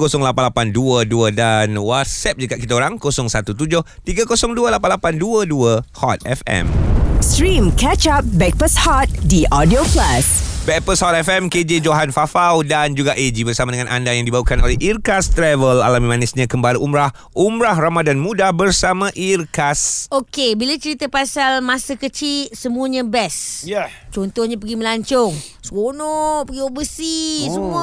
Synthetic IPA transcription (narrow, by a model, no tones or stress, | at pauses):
kosɔŋlapanlapanduəduədanwat̪̚sɛp̚d͡ʒəɡatʔ̚kit̪aoɾaŋkosɔŋsat̪ut̪ud͡ʒʊht̪iɡakosɔŋduəlapanlapanduəduəhɔt̪̚ɛ̰fɛ̰mstɾɹĩmkɛt͡ʃap̚bɛk̚pəshɔt̪̚diʔɔdioklasbɛk̚pəshɔt̪̚ɛfɛmked͡ʒed͡ʒoɦanfafawdand͡ʒuɡaʔed͡ʒibərsamadəŋãnʔa̰ndajaŋdibawukanolɛhirkast̪ɾɛvəla̰lamĩmanɪsɲãkəmbaləʔumɾah | umɾahramadanmũdahbərsamãʔirkasokebilat͡ʃəɾit̪apasalmãsakət͡ʃisəmũəɲãbɛsjt͡ʃɔnt̪ɔhɲãpəɡiməlaɲt͡ʃɔŋ | swonɔpəɡiobəsisəmu